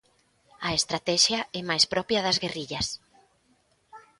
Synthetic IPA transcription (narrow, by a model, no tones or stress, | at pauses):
ɐest̪ɾat̪ɛʃjɐɛmajspɾɔpjɐðɐzɣeriʎɐs